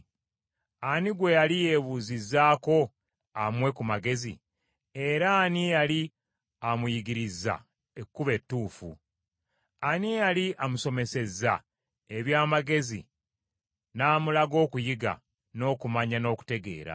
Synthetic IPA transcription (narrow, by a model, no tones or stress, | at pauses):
aniɡwe̞jalije̞βuzizːaːko̞ | amwe̞kumaɡe̞zḭ | e̞ɾaːnijali | amujiɡiɾizːa̰ | ekːuβe̞tːuːfṵ | anijaliʔamuso̞me̞se̞za | e̞βjaːmaɡe̞zḭ | naːmulaɡo̞ːkujiɡa̰ | no̞ːkumaɲano̞ːku̥te̞ɡe̞̰ːɾa̰